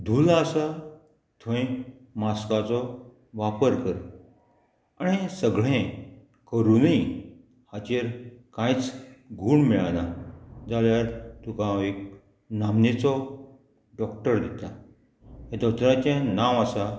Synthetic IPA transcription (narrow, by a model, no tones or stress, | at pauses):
d̪ʱulaəsa | t̪ʰõĩ | maskat͡sɔ | ʋapəɾkəɾ | aɽ̃isəɡɭẽ | kəɾunəi | hat͡ɕeɾkãjt͡sɡʱuːɳmiɭanad͡zaljaɾt̪ukãek | namnet͡sɔ | ɖɔkʈəɾd̪it̪a | ɦẽd̪ɔt̪ɾat͡ɕãnãʋasa